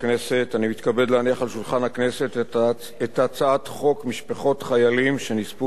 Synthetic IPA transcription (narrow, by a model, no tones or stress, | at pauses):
knese̞tanimit̪kabe̞dleaniaχalʃulχanhakne̞se̞t | etat͡saatχo̞kmiʃpaχo̞tχajalimʃe̞nispu